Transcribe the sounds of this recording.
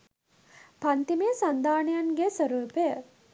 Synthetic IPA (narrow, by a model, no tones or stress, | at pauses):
pant̪imeəsand̪aːnejanɡesəɾuːpejə